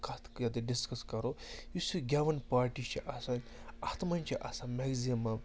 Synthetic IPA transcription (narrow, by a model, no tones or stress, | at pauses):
kɐt̪jɐt̪̬eɖiskɐskɐɾojusuɡʲaʋɐnpaːɾʈit͡ʃʰiʔɐsanʲ | ɐt̪mɐnʲt͡ʃʰiʔɐsãmeɡzimɐm